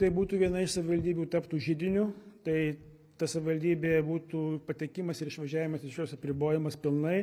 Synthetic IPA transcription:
t̪ɐɪbuːt̪uːʋʲiɛnɐɪʃsɐʋʲɪʋɐlʲd̪ʲiːbʲuːt̪ɐpt̪uːʒʲɪd̪ʲɪnʲʊt̪ɐɪ | t̪ɐsɐʋʲɪʋɐlʲd̪ʲiːbʲeːbuːt̪uːpɐt̪ʲɛkʲɪmɐsɪɾɪʃʋɐʒʲæːʋʲɪmɐsɪʃjoːsɐpʲɾʲɪboːjɪmɐspʲɪlˠnɐɪ

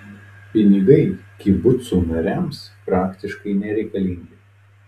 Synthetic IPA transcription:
pʲɪnʲɪɡɐɪkʲɪbʊt̪suːmɐɾʲɛmspɾɑːkt̪ʲɪʃkɐɪnʲɛɾʲɛɪkɐlʲiˑŋʲɡʲɪ

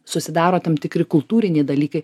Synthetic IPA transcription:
sʊsʲɪd̪ɑːɾoːt̪ʲɐmt̪ʲɪkɾʲɪkʊlˠt̪uːɾʲɪnʲeːd̪ɐlʲiːkɐɪ

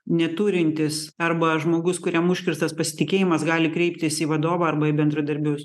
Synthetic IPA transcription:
nʲɛt̪uːɾʲɪnʲt̪ʲɪsɐrbɐʒmoːɡʊskʊɾʲɛmʊʃʲkʲɪɾst̪ɐspɐsʲɪ̥t̪ʲɪkʲeːjɪmɐsɡɑːlʲɪkɾʲɛɪp̚ʲt̪ʲɪsiʋɐd̪oːʋɐɐrbɐɪbʲɛnd̪ɾɐd̪ɐɾʲbʲʊs

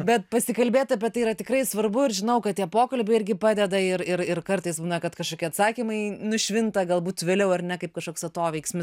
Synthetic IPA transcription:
bʲɛt̪̚pɐsʲɪkɐlʲbʲeːt̪ɐpʲɛtɐɪiːɾɐtʲɪkrɐɪsʋɐrbʊɪɾʒʲɪnɐʊkɐt̚t̪ʲiɛpoːkɐlʲbʲɛɪɪɾʲɡʲɪpɑːd̪ʲɛd̪ɐɪrɪɾɪrkɐrt̪ɐɪsbuːnɐkɐt̪kɐʃkoːkʲiːɐt̪sɑːkʲɪmɐɪnʊʃʲʋʲɪnt̪ɐɡɐlˠbuːt̪ʋʲeːlʲɛʊɐrnʲɛkɐɪp̚kɐʃkoːksɐt̪oːʋʲɛɪksʲmʲɪs

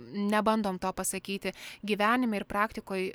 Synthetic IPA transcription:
nʲɛbɐnd̪oːmt̪oːpɐsɐkʲiːt̪ʲɪɡʲiːʋʲæːnʲɪmʲɛɪɾpɾɑːkt̪ʲɪkoːj

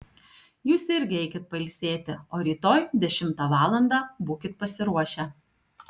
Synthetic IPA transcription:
juːsɪɾʲɡʲɪɛɪkʲɪt̪̚pɐɪlʲsʲeːt̪ʲɪoːɾʲiːt̪oːjd̪ʲɛʃʲɪmt̪ɑʋɑːlˠɐnd̪ɑːbuːkʲɪt̪̚pɐsʲɪɾuɔʃʲɛ

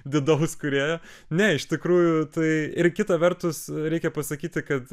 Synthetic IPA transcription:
d̪ʲɪd̪ɐʊskʊɾʲeːjoː | nʲɛɪʃt̪ʲɪkɾuːjʊt̪ɐɪɪrkʲɪt̪ɐʋʲɛrt̪ʊsɾʲɛɪkʲɛpɐsɐkʲiːt̪ʲɪkɐt̪

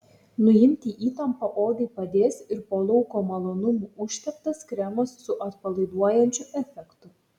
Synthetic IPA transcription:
nʊjɪmʲt̪ʲiːʔiːt̪ɐmpɐʔoːd̪ɐɪpɐd̪ʲeːsɪɾpoːlˠɔʊkoːmɐlˠoːnʊmuːʊʃʲt̪ʲɛpt̪ɐskɾʲæmosːʊʔɐt̪pɐlˠɐɪd̪uɔjɛnʲt͡ʃʲʊʔɛfʲɛkt̪ʊ

